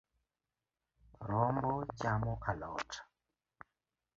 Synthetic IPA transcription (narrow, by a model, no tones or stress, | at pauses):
ɾɔmbɔt͡ʃamɔkʰalɔːtʰḁ